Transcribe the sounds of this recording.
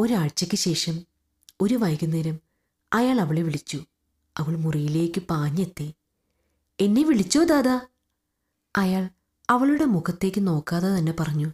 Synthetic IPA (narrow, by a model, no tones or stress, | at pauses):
o̞ɾaːɻt͡ɕːɐkʲːɨɕe̞ːʂɐm | o̞ɾuʋɐjɣunːiːɾɐm | ɐjaːɭɐʋiɭeʋiɭit͡ɕːu | ɐʋɐɭmurijile̞ːkʲːɨpaːɲːet̪ːi | e̞nːe̞ʋiɭit͡ɕːoːd̪aːðɐ | ɐjaːɭ | ɐʋɐɭuɽe̞muɣɐt̪ːe̞ːk̬ʲːɨno̞ːkːaːðɐt̪ɐnːe̞pɐrɐɲːu